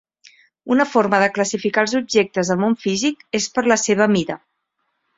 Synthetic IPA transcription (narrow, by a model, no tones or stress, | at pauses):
unəfoɾməðəkləsifikaəlˠzub̚ʒek̚t̪əzðəlˠmoɱfizikespəɾləseβ̞əmiɾə